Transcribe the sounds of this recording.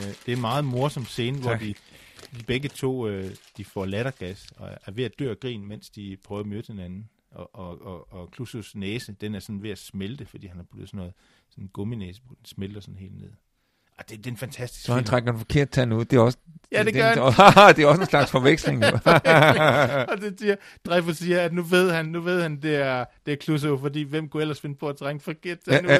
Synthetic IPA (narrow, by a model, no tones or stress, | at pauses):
d̥e̝æɐnmɑ̈ːð̞̩ˠmo̝ɐsɒ̽m̥se̝ːnəʋɒʋiʋib̥eɡ̥ət͡sʰo̝̰ːd̥ifɒ̰læɾ̥ɐɡ̥æsɒæɐʋe̝æd̥ø̰ɐ̰ɡ̥ʁḭːnmen̰sd̥ipʰʁœːʊɐmød̥he̝nænn̩ | ɒʔɒɒːkʰlususnɛːsəd̥enæɐsɒ̽n̩ʋe̝æsmeld̥əfɒd̥ḭːhænhɑb̥ud̥ð̩ˠsɔ̽nɔ̽ːð̩ˠ | sɒ̽nenɡ̥ɔ̽minɛːsəbd̥ensmeld̥ɐsɒ̽n̩he̝̰ːld̥ne̝ð̰ˠ | ɑd̥e̝d̥e̝enfænt͡sʰæsd̥i̥ssɒhænt͡sʰʁaɡ̥ɐenfɒ̥̽kʰe̝ɐ̰d̥̚t͡sʰænuð̰ˠd̥e̝æɒ̽səjæd̥e̝dɶɐhd̥e̝æɐɒ̽səenslɑ̈ɡ̥sfɒ̽ʋeɡ̥sle̝ŋ | ɒ̽de̝siɐ | d̥ʁɛfosiːɐæd̥nuʋe̝ð̞̰ˠhænːuʋe̝ð̰ˠhænd̥e̝æɐd̥e̝æɐkʰlus̬oʊfɒ̽d̥ḭːʋem̰kʰuel̰ɐsfe̝nəpʰɒ̽æt͡sʰʁaŋfɒ̽kʰe̝ɐ̰d̥̚t͡sʰæn